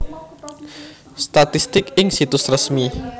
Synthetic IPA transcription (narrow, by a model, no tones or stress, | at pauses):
st̪at̪ist̪ɪkɪŋsit̪ʊsrəsmi